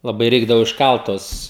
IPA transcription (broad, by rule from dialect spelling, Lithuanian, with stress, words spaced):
lˠɐˈbɐɪ ˈrʲɛɪɡdɐʋoː ɪʃˈkɐlˠt ˈtuɔs